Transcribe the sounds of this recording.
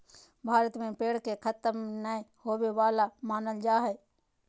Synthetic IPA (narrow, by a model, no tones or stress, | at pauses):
bʱaːɾət̪mẽpeːɽ̤kekʰət̪əmnəehoːweʋaːlamaːnəld͡ʒaːɦɛ